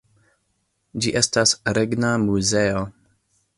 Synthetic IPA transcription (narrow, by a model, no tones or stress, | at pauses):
d͡ʒiʔe̞stasɾeɡnamuze̞o